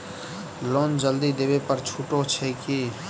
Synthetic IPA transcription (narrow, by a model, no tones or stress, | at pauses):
loːnd͡ʒəld̪id̪ebepəɾt͡ʃʰuːʈot͡ʃʰɛki